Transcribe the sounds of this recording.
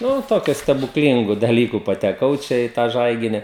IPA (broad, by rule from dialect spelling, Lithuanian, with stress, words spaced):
ˈnʊ ˈtoːkʲʊ sʲtʲɛbʊkˈlʲiːŋɡʊ dɐˈlʲiːkʊ pɐtʲɛˈkɐʊ ˈt͡ʃʲɛ iː ˈtɑː ˈʒɐɪɡʲɪnʲɪ